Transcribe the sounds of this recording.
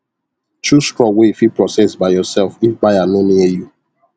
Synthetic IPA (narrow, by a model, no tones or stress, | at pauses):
t͡ʃustɹɔwefipɹɔsɛsbaɪjɔsɛlfifbajanoniɛju